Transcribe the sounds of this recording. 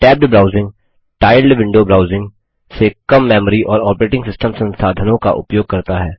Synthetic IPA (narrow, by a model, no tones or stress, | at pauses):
ʈɛːp̚ɖbɾaːʊzɪ̃ŋɡ | ʈaːɪlɖʋɪ̃ɳɖobɾaːʊzɪ̃ŋɡ | sekɐmːɛːməɾiʔɔːɾɔːpəɾeːʈɪ̃ŋɡsɪsʈəmsɐ̃nsaːd̪ʱənõka̰ʔʊ̰pjoːɡ̚kɐɾt̪aɦɛː